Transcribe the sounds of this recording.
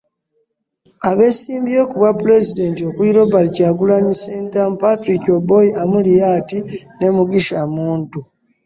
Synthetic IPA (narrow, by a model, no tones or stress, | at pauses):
aβe̞siːmbio̞kuβwapuɾe̞zide̞ntio̞kwiɾo̞balicaːɡulaɲiseːntampaticobo̞jiʔamulijatine̞muɡiʃamuːntu